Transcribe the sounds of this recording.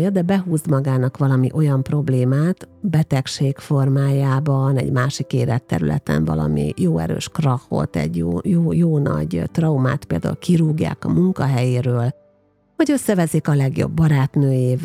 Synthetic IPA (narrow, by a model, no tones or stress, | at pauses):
jɒd̪ɛbɛɦuːzmɒɡaːnɒkʋɒlɒmiʔo̞jɒmpro̞bleːmaːt̪bɛt̪ɛkʃeːkfo̞rmaːjaːbɒnɛ̰ɟmaːʃikeːlɛt̪ːɛ̰ɾylɛ̰t̪ɛ̰ɱvɒ̰lɒ̰mḭjoːɛ̰ɾø̰ːʃkrɒxo̞̰t̪ɛ̰ɟjoːjoːjoːnɒ̰ɟt̪rɒuma̰ːt̪peːld̪a̰ṵlkʰiɾuːɡja̰ːkɒmuŋkɒɦɛjeːɾøːl | ɒɟø̞sːɛvɛzeːkɒlɛɡjo̞̰bːɒɾaːt̪nøːjeːv